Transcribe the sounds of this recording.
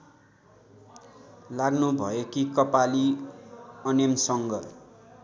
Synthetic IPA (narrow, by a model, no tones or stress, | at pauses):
laɡnubʱʌekikʌpali | ʌnemsʌŋɡʌr